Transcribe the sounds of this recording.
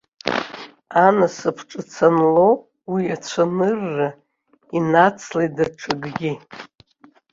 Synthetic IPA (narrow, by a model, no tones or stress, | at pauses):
anasɨpʰʈ͡ʂʼɨt͡sʰanlow | wiat͡ʃʷʰanɨrːa | inat͡sʰledaʈ͡ʂʷʰaɡɡʲi